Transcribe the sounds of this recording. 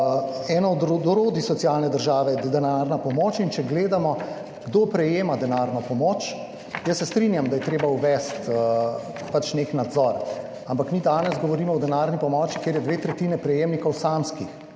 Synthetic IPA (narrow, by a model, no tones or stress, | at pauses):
ɛːnɔɔd̪d̪oɾoːd̪isɔtsijaːlnɛd̪əɾʒaːʋɛd̪ɛnaɾnapɔmoːt͡ʃint͡ʃɛɡleːd̪amɔ | ɡd̪oːpɾɛjeːmad̪ɛnaɾnɔpɔmoːt͡ʃ | jəsːɛst̪ɾinjamd̪ajɛt̪ɾeːbauʋɛst̪ | pat͡ʃneknad̪zɔɾ | ampakmiːd̪aːnɛzɡɔʋɔɾiːmɔɔd̪ɛnaːɾnipɔmɔːt͡ʃi̥keːɾjɛd̪ʋeːt̪ɾɛt̪iːnɛpɾɛjeːmnikɔwsamskix